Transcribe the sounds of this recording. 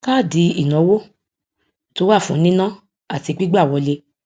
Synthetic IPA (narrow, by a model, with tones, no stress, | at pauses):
ka˦˨di˧i˨nɔ̃˨˦wo˦ | to˦wa˦˨fũ˨˦nĩ˦nã˦ | a˨ti˧ɡ͡bi˦ɡ͡ba˦˨wɔ˧le˧